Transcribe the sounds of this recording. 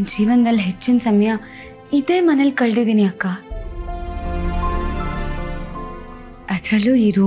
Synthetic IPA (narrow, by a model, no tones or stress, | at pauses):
nd͡ʒiːʋɐnd̪ɐlɦet͡ʃːinsɐmɐjɐ | id̪e̞ːmɐnɐlkɐɭd̪id̪iniɐkːaː | ɐd̪ɾɐluːiːɾuː